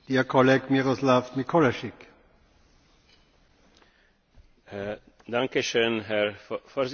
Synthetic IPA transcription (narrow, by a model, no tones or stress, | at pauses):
diːɐkʰɔleɡmiʁoslafmikʰolaʃɪk | daŋkəʃøːnɦɛɾfɔz